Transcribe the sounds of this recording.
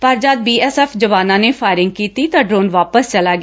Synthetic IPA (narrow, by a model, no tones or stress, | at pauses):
pəɾd͡ʒaːd̪̚biːɛːsɛːfd͡ʒəʋaːnãːneːfʰaːɪɾɪ̃ŋɡ̚kiːt̪iːt̪aːɖɾoːnʋaːpəst͡ʃəlaːɡɪ